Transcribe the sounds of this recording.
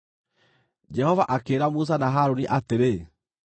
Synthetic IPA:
d͡ʒɛhɔvaʔakeːɾamus̬anaɦaɾoniʔateɾe

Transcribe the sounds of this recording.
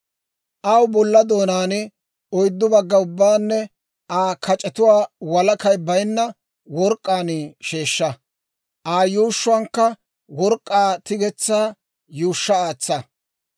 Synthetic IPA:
ʔɐwbɔlːɐd̪o̞ːnaːnɪ | ɔjd̪ːʊbɐɡːɐʊbːaːnːɛ | ʔaːkʰɐt͡ʃʼɛt̪ʊwaːwɐlɐkɐjbɐjnːɐ | wɔɾkʼːaːnɪʃeːʃːɐ | ʔaːjuːʃːʊwɐŋkːɐ | wɔɾkʼːaːt̪ɪɡɛt͡sːaː | juːʃːɐaːt͡sːɐ

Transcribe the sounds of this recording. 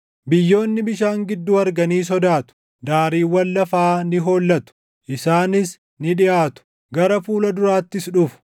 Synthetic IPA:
bɪjːo̞ːnːɪbɪʃaːŋɡɪd̪ːuːɐɾɡɐniːs̬ɔd̪aːt̪ʊ̥ | d̪aːɾiːwːɐlːɐfaːnɪɦo̞ːlːɐt̪ʊ̥ | ʔɪsaːnɪs | nɪᶑɪʔaːt̪ʊ̥ | ɡɐɾɐfuːlɐd̪ʊɾaːt̪ːɪsᶑʊfʊ̥

